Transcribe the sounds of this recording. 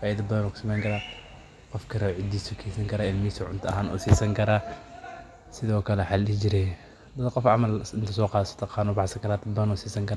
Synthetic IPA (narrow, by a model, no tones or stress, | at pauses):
faːɪdɐbɐðɐnɔːkʊ̥sɐmɛjŋkʰɐɾaː | qɔfkʰɐɾɐʕɪd̪iːsukʰɛsɐŋkʰɐɾaːɪlmisʊʕʊnt̪ʰʊɐ̰ɦaːnɔ̰ːsiːsɐŋkʰɐɾaː | sɪðɔːkʰɐlɛħalɪd͡ʒɪɾɛ | d̪ɐd̪qɔfʕɑmɐlɪnt̪ʰɐsɔːqɑːsɐ̥t̪ʰɐqɑːnʊbɑħsɐŋkʰɐɾaːd̪ɐd̪̚bɐnɔːsiːsɐŋkʰɐɾaː